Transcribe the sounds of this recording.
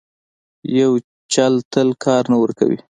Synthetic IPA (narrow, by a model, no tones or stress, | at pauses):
jaw | t͡ʃalt̪əlkʰɑɾnawəɾka̰wḭ